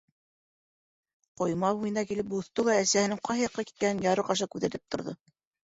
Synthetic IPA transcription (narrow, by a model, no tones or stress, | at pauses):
qŏjmɑhujɤ̆nɑkilɘp̚buθt̪ɤlˠæːsæhɘ̆nɘŋqɑjhɑjɑqːɑki̥t̪̚kænɘnjɑɾɤqɑʃ̬ɑkʉðæt̪ɘp̚t̪ŏɾðɤ̰